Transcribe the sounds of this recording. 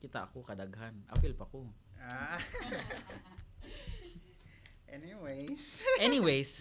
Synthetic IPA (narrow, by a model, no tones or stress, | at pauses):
kɪt̪aʔɐkokɐd̪aɡhanʔa̰wɪlpɐkoa | ʔɛniwejsʔɛniwejs